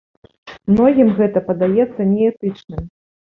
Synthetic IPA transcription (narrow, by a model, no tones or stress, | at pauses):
mnɔɣʲimɣɛt̪ɐpɐd̪ajɛt̪sːɐnʲɛɛt̪ɨt͡ʂnɨm